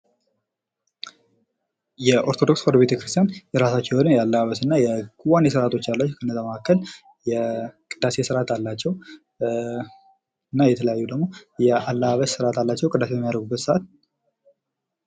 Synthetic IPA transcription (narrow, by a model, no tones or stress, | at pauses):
jɛʔo̞ɾt̪ʰod̪o̞ksfoɾdβbet̪ʰəkɾɨst̪ʰijanjɛɾasat͡ʃːɛwnɨjɛalːəβaβəsɨnːajɛɡʰuwanjɛs̬əɾat̪ʰo̞t͡ʃːalːat͡ʃːɛwkʰənːəzaməhakːəl | jɛkʼɨd̪̥ase̞sɨɾat̪ʰalːat͡ʃːɛw | ɨnːajɛt̪ʰələjajːud̪əɡmo̞jɛalːəβaβəssɨɾat̪ʰalːat͡ʃːɛwkʼɨd̪as̬ejɛmːijad̪ɾəɡubːət̪səʔat̪